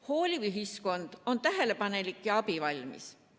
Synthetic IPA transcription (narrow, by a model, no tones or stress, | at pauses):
ho̞ːlʲiyɦisko̞nd̪̥o̞nt̪æɦe̞le̞pɑne̞likːˑjɑɑbivɑlʲmḭs